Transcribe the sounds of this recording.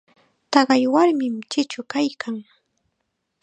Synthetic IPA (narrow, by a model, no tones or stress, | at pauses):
t̪ɑɢɑjwaɾmɪmt͡ʃɪt͡ʃʊkajkʰaŋ